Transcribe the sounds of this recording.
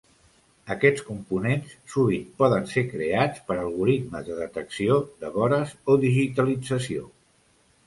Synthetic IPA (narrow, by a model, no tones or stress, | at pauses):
əkɛt͡skumpunenssuβit̪pɔðənsekɾeat͡spəɾəlˠɣuɾit̪məzðəðət̪əksiod̪əβɔɾəzoðiʒit̪əlid͡zəsio